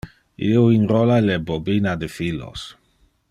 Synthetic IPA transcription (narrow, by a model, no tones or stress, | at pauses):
ioinrolalebobinad̪efilo̰s